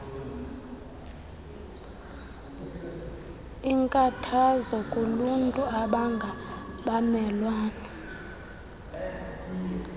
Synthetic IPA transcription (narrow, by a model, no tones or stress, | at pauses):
iŋkʼatʰazɔkʼoluntʼuaɓaŋɡʱaɓamɛlwaːna